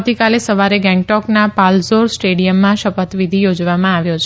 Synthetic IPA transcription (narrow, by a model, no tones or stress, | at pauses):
t̪ikalesəʋaɾeɡɛ̃ŋɡ̚ʈɔknapalsoɾsʈeɽijəmːãʃəpət̪ʋid̪ʱijod͡ʒʋamãaʋjot͡ʃʰ